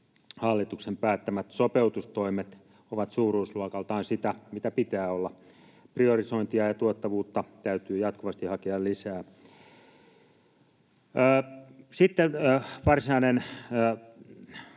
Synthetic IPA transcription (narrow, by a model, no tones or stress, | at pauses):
hɑlːit̪uksempæːt̪ːæmæt̪sopeut̪ust̪oimet̪ | oʋɑt̪suːruːsluɑkɑlt̪ɑːnsit̪æmit̪æpit̪æːolːɑ | priorisoint̪iɑjɑt̪uot̪ːɑʋuːt̪ːɑt̪æyt̪yːjɑt̪kuʋɑst̪ihɑkeɑllisæː | sit̪ːenːʋɑrsinɑinenː